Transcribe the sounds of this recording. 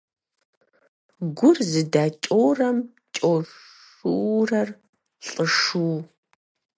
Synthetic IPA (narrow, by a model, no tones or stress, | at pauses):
ɡʷʊrzɨdaːt͡ʃʼoːrɐm | t͡ʃʼoʂ | urɐr | ɬʼəʂuː